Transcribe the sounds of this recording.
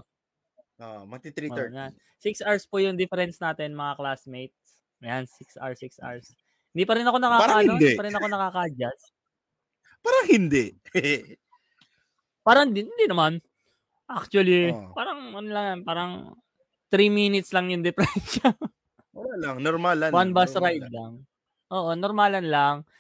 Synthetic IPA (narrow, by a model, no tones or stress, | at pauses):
ʔomɐt̪it̪ɾijan | siksʔaɹspujʊŋd̪ɪfɛɾɛnsnaːt̪ɛnmɐŋaklasmejt̪̚ | ʔɐjansɪksʔa̰ɹsɪksʔa̰ɹs | hɪnd̪iːpɐɾɪnɐko̞nɐkaːɾd̪dipɐɾɪnɐko̞nɐkaːkɐʔɐd͡ʒas | paːɾɐŋhɪnd̪ɛʔ | paːɾɐɪnd̪ɪnhɪnd̪inɐman | ʔak̚t͡ʃwɐlipaːɾɐŋʔɐnlɐŋjanpaːɾɐŋ | t̪ɾiːminɪt̪slɐŋjʊŋd̪ɪfɾɛnʃɐ | oalaŋnoɾmalɐwanbasɾajd̪̚laŋ | ʔoːʔo̞noɾmalɐnlaŋ